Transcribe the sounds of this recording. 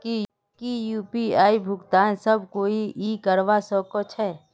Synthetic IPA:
ki | kijuːpiaːibʱʊkt̪aːnsəb̚koːiʔikəɾʋasɔːkot͡ʃʰɛː

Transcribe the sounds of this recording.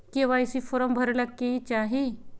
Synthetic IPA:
kĩʋaisifoɾəmbʱəɾlakːeit͡ʃaɦi

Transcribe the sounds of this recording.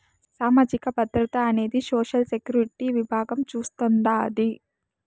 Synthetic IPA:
saːmaːd͡ʒikɐbɐd̪ɾɐt̪ɐːne̞ːd̪isoːʃɐlsekjuːɾiʈiʋibʱaːɡɐmt͡ʃuːst̪ond̪aːd̪i

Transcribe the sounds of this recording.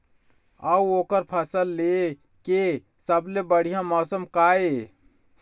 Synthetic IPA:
əuokəɾpʰəsəlːe | ke | səblebəɽ̤ijãmɔsəmkae

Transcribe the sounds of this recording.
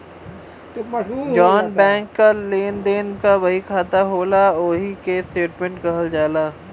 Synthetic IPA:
d͡ʒɔːnbɛ̃ːŋkːaleːnd̪eːnkaʋɐɦikʰaːt̪aɦoːlaoːɦikesʈeːʈmẽɳʈkɐɦəld͡ʒaːlaː

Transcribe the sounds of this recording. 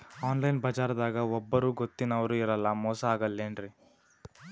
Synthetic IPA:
aːnlɐjnbɐd͡ʒaːɾɐd̪aːɡɐɔbːɐɾuːɡot̪ːinɐʋɐɾuiɾɐlːɐmɔːsɐaːɡɐlːenɖɾi

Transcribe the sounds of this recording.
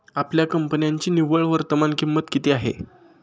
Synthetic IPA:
apljakəmpənjaɲt͡ɕiːniʋəɭʋəɾt̪əmankimːət̪kit̪ʰeːaɦḛ

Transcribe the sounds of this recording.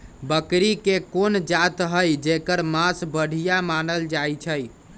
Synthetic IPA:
bəkɾikekond͡ʒat̪ɦəjd͡ʒekəɾmasbəɽ̤ʱijamanəld͡ʒajt͡ʃʰəj

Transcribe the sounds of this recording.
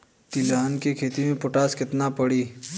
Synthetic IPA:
t̪ilaːnkekʰeːt̪imẽpʊʈaːskɪt̪napɐɽiː

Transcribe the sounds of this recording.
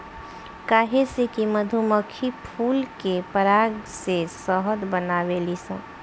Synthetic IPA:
kaːɦesekiməd̪ʱuməkʰipʰuːlkepəɾaːɡsesəɦəd̪bənaːʋelisə̰̃

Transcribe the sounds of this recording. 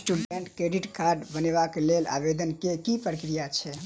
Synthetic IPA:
sʈuɖeɳʈkɾeɾiʈkaɾɖbəneβakelela̰bed̪ənkekipɾəkɾijat͡ʃʰɛ

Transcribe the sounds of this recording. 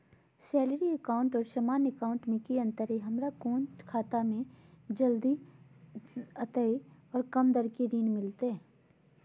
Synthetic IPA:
sɛːləɾiəkaːʊ̃ɳʈɔːɾʃəmaːnekaːʊ̃ɳʈmẽkiə̃nt̪əɾeɦɐmɾakõːnt͡ʃkʰaːt̪amẽd͡ʒəld̪i | ɐt̪əiɔːɾkɐmd̪əɾkiɾiːnmɪlt̪eɦɛ̃ː

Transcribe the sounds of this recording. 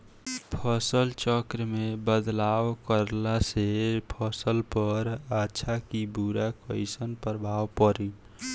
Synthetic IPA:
pʰəsəlt͡ʃəkɾmebəd̪laʋkəɾlasepʰəsəlpəɾatːʃʰakibuɾakəɪsənpəɾəbʱawpəɾi

